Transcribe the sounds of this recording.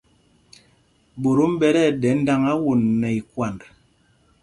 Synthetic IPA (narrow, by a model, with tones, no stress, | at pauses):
bo˨ɾu˦m̩˦bɛ˦ɾɛ˦˨dɛ˨˦n̩˦da˦ŋa˦wu˨nːɛ˨i˨kwa˨nd